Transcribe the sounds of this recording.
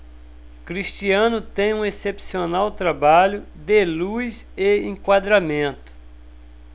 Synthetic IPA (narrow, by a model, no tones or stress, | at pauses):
kɾist͡ʃiɐ̃nʊt̪ẽj̃ũesepsionawt̪ɾabaʎʊ | d̪elujzeẽŋkwad̪ɾamẽnt̪ʊ̥